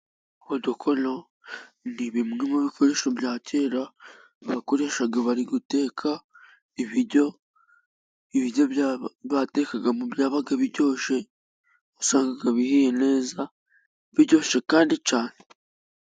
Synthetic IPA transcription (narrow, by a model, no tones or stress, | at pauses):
uhodukʰo̞no | niβimŋimuβikʰo̞ɾe̞ːʃobɟaːce̞ːɾa | βako̞ɾe̞ːʃaɡaβaɾiɡute̞ːkʰa | iβiɟo̞ | iβiɾjo̞βate̞kaɡamubjaːβaɡaβiɟo̞ːʃe̞ | usaːŋɡaɡaβihijene̞ːza | βiɾɟo̞ːʃe̞kaːndit͡ʃaːne